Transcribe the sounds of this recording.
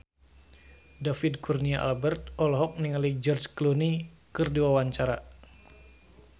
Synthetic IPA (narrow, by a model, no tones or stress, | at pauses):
dafidkurniaʔa̰lbɛrt̪̚ɔlɔɦɔk̚niŋalid͡ʒɔrd͡ʒkluni | kɨrduwawaɲt͡ʃaɾa